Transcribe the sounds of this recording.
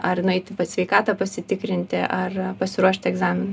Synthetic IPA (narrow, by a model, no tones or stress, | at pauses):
ɐɾɪnɐɪt̪ʲɪpɐsʲʋʲɛɪkɑːt̪ɐpɐsʲɪt̪ʲɪkɾʲɪnʲt̪ʲɪʔɐrpɐsʲɪɾuɔʃʲt̪ʲɛɡzɑːmʲɪnʊ